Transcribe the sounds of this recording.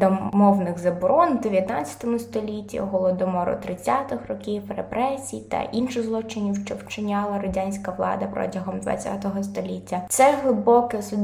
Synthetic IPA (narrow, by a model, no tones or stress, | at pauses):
d̪ɔmɔwnɪɣzɐbɔɾʔɔnd̪eʋʲjɐt̪nɑt͡sʲɐ̥t̪ɔmʊst̪ɔlʲitʲːḭɦɔlˠɔd̪ɔmɔɾʊ̰t̪ɾɪt͡sʲːat̪ɪxrɔkʲiwrḛpɾɛsʲijt̪ɐ̰ʔinʃɪzlˠɔt͡ʃɪnʲiwʃt͡ʃɔwt͡ʃɪnʲɑlˠɐɾɐdʲanʲsʲkɐʋlˠɑ̰d̪ɐpɾɔ̰tʲɐɦɔmd̪ʋɐ̰t͡sʲa̰t̪ɔɦɔst̪ɔlʲitʲːɐt̪sɛɦlˠɪbɔkɛɔsʊ